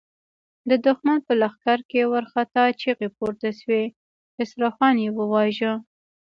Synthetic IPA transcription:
d̪əd̪ʊxmanpəlaxkaɾkewaɾxat̪ɑt͡ʃeɣep̚oɾt̪aʃwe | ɪsɾɑfɑnjewəwɑʒə

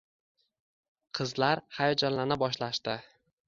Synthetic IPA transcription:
qʰɨzlaɾhajɒd͡ʒanlanɪbɒʃlaʃt̪ɪ

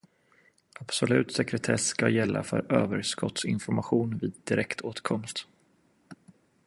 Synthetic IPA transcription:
ab̥sɔlʉ̟ːt̪sɛkɾɛt̪ʰɛsːkajɛlːʔa̰fœ̰ɾøːvəɾʂkɔt̪sɪnfɔɾmaɧuːnviːd̪̚ːɪɾɛkt̪ʰoːt̪kʰɔmst̪

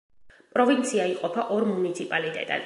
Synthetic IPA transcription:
pʼɾɔvint̪sʰiaiqʼɔpʰaʔɔɾmunit̪sʰipʼalit̪ʼɛ̰t̪ʼa̰

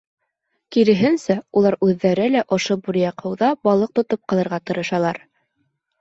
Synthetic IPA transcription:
kiɾɘ̆ɦɘ̆nsæulˠɑɾʉðːæɾɘlæʔŏʃobuɾjɑqʰɤ̆wðɑbɑlˠɤq̚t̪ŏt̪op̚qɑlˠɤ̆ɾʁɑt̪ɤ̆ɾɤ̆ʃɑlˠɑɾ

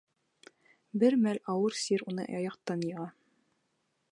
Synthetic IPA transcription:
bɘɾmælɑwɤɾsiɾunɤ̰jɑ̰jɑqt̪ɑnjɤ̆ʁɑ

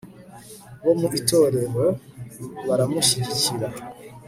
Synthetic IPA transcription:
βo̞muʔito̞ːɾe̞ɾo̞ | βaɾamuʃiɟiciɾa

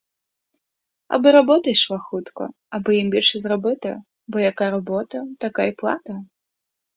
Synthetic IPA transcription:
a̰bɨɾabɔt̪ɐjʂlˠaxut̪kɐ̰ | abɨjimbʲɛlʲʂɨzrabɨt̪ɐ̰ | bɔjakaɾabɔt̪ɐt̪akaiplˠa̰t̪ɐ

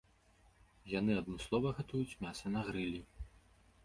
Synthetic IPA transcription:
jan̪ɨɐd̪nɨslˠɔvɐɣat̪ujut͡sʲmʲasɐnɐɣɾɨlʲi

